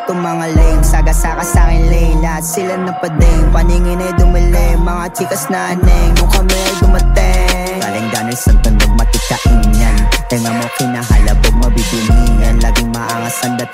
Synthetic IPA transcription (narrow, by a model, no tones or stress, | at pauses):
t̪oŋmɐŋalɛjŋsaɡɐsakɐsaːkɪnlɛjŋlɐt̪sɪlanːɐpɐd̪ɐjʊŋpɐniŋɪnɐjd̪ʊmɪlɛmɐŋat͡ʃikɐsnanɛŋːʊkɐmɛɡʊmɐt̪ɛ | ɡa̰lɪŋd̪aːnɪlsɐnt̪ɐnd̪oɡ̚mɐt̪ɪkɐʔiɲɐnt̪ɛŋɐmokɪnaɦɐ̰laboɡ̚mɐbibinijɐnlaːɡɪŋmaʔaŋɐsɐnd̪ɐ